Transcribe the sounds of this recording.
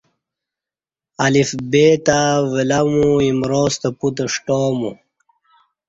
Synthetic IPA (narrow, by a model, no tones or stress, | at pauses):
ɐlifbeːt̪awelɐmuimɾoːst̪ɐput̪̬əʂʈoːmṵ